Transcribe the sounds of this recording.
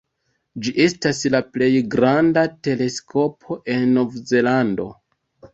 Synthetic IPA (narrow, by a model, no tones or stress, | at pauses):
d͡ʒiʔe̞staslaple̞jɡɾandate̞le̞skʰo̞pʰo̞ʔe̞nːo̞vze̞lando̞̰